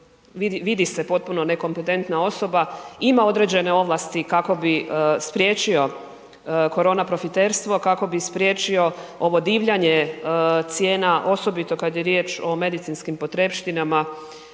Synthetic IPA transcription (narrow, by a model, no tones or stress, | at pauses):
ʋiʋid̪ise̞po̞t̪̚puno̞ne̞ko̞mpe̞t̪e̞nt̪nao̞so̞baimao̞d̪ɾe̞d͡ʑe̞ne̞o̞ʋlˠast̪ikako̞bispɾje̞ːt͡ʃio̞ | ko̞ɾo̞ːnapɾo̞fit̪e̞ɾst̪ʋo̞kako̞bispɾje̞t͡ʃio̞o̞ʋo̞d̪iːʋʎaɲet̪sje̞ːnaʔo̞so̞bit̪o̞kad̪jeɾje̞ːt͡ʃo̞me̞d̪it̪sinskimpo̞t̪ɾe̞pʃt̪inama